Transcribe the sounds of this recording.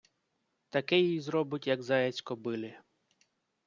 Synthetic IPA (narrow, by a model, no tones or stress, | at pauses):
t̪ɐkɛjizɾɔbʊtʲjɐɡzɑjɛt͡sʲkɔbɪlʲɪ